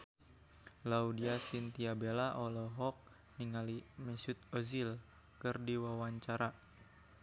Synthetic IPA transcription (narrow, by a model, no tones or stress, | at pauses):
laudiasint̪iabelaʔolɔɦɔk̚ | niŋalimɛsut̪̚ozil | kɨrdiwawaɲt͡ʃaɾa